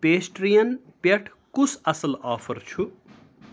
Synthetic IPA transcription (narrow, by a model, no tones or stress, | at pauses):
peːsʈrijɐnpeʈʰ | kusʰɐsɐlɔːpʰɐrt͡sʰu